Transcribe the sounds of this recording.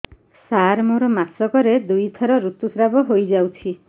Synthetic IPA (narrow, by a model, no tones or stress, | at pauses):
saɾmoɾɔmasɔkɔɾed̪ujt̪ʰɔɾɔɾut̪usɾabɔɦojd͡ʒawt͡ʃʰi